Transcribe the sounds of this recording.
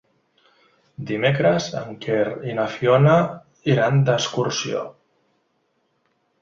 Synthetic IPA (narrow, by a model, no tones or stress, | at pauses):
d̪imekɾəzə̰ŋkʰerinafjona | iɾand̪əskuɾsio̰